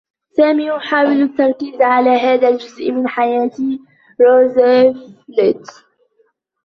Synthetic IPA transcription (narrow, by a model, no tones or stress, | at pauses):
saːmiːjʊħaːwɪlat̪ːɑɾˤkiːzʕalaːɦaːðald͡ʒʊzʔmɪnħajaːt̪i | ɾoːzaflɪt̪